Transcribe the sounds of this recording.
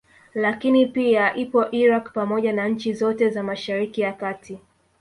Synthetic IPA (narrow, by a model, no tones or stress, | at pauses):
lakinipiaʔipɔʔiɾakpamɔʄanaɲ̩t͡ʃizɔtɛzamaʃaɾikijakatʰi